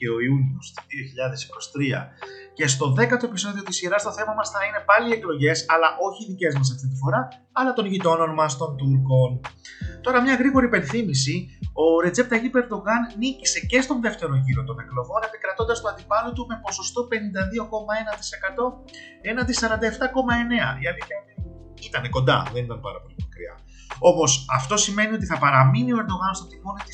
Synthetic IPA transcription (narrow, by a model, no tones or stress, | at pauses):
ce̞o̞iuniost̪iðio̞çiʎɐðe̞si̥ko̞st̪ɾiɐ̰ce̞st̪o̞ðe̞kɐt̪o̞episo̞ðio̞t̪isiɾɐst̪o̞θe̞mɐmɐsθɐine̞pɐlieklo̞ʝe̞sɐlɐʔo̞çiðice̞zmɐs̬ɐft̪it̪ifo̞ɾɐː | lɐt̪o̞nʝit̪o̞no̞nmɐst̪o̞nt̪uɾko̞n | t̪o̞ɾɐmɲɐɣɾiɣo̞ɾipe̞nθimisio̞ɾe̞d͡ze̞p̚t̪ɐʝipeɾd̪o̞ɣɐnːicise̞ce̞st̪o̞nðe̞ft̪e̞ɾo̞ʝiɾo̞t̪o̞neklo̞vo̞ne̞pikɾɐt̪o̞nd̪ɐst̪oɐnd̪ipɐlot̪ume̞po̞so̞st̪o̞pe̞nind̪ɐðio̞ko̞mɐe̞nɐt̪i̥se̞kɐt̪o̞ | e̞nɐt̪isɐɾɐnd̪ɐeft̪ɐko̞mɐe̞ne̞ɐ̰iɐniɐt̪i | it̪ɐneko̞nd̪ɐ̰ðe̞nit̪ɐnpɐ̰ɾɐpo̞limɐkɾḭɐ̰ | o̞mo̞sɐft̪o̞sime̞niot̪iθɐpɐɾɐminioe̞ɾd̪o̞ɣɐnst̪ot̪imo̞nit̪i